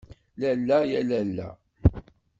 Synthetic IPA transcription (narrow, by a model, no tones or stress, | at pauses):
lælːæjælælːæ̰